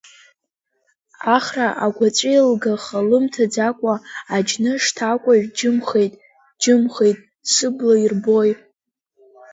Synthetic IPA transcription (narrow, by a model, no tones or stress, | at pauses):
aχraʔaɡʷat͡sʷʼilɡaχalɨmtʰad͡zakʷʼaad͡ʒnɨʂtʰakʷʼaɥᶣd͡ʒɨmχe̞jtʼ | d͡ʒɪmχe̞jtʼ | sɨblairboj